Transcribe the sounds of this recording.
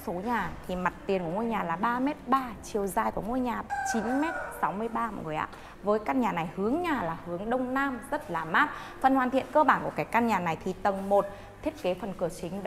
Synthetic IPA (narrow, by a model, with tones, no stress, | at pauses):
so˨˦ɲaː˨˩t̪ʰi˨˩ma˨˩t̚t̪i˨˩ənku˧˩əŋo˧jɲaː˨˩laː˨˩ɓaː˧mɛ˦˥t̚ɓaː˧t͡ɕi˨˩əwzaː˧˩jku˧˩əŋo˧jɲaː˨˩t͡ɕi˨˦nmɛ˦˥t̚sa˨˦wmɨ˧əjɓaː˧ma̰˨˩zo˨˩jʔa̰ː˧˨ | vəː˨˦jkaː˧nɲaː˨˩na˨˩jhɨ˨˦əŋɲaː˨˩laː˨˩hɨ˨˦əŋɗə˧wŋ͡mnaː˧mzə˦˥t̚laː˨˩maː˦˥t̚ | fə˧˩nhwaː˨˩nt̪ʰḭ˧˨ənkəː˧ɓaː˧˩nku˧˩əkaː˨˦jkaː˧nɲaː˨˩na˨˩jt̪ʰi˨˩t̪ə˨˩ŋmo˨˩t̚ | t̪ʰi˦˥ət̚ke˨˦fə˨˩nkɨ˨˧˩ət͡ɕï˨˦ŋ̟